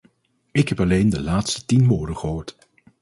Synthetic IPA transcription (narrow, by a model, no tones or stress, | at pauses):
ɪkɦɛpɑlejndəlaːtstə̥tinmʊːɹdəχəɦoːɹt